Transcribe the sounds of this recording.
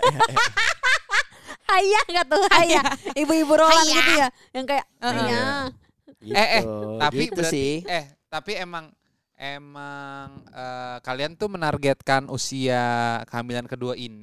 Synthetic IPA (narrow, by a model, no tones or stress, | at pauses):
hajaŋɡat̪ʊhajaibuibuɾolanɡit̪uja | jaŋkajaʔɲa | ɛɛht̪aɡib̪uaiɛh | t̪apiemaŋ | ʔemaŋəkaliant̪ʊmənarɡɛt̪̚kanusiakəɦamilankəduaini